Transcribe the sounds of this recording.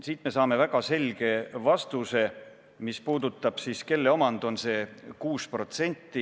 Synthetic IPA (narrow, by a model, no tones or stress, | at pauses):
siːt̪ˑme̞sɑːme̞væɡ̥ɑse̞lʲɡe̞vɑst̪use̞ | mispuːd̪ut̪ːˑɑb̥siːske̞lːe̞o̞mɑnd̪̥o̞nse̞ːkuːspro̞t̪se̞nʲt̪ːi